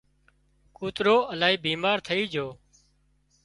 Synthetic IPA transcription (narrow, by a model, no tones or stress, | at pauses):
kuːt̪ɾoːəlaːɦiːbiːmaːɾt̪ʰəiːd͡ʒʱoː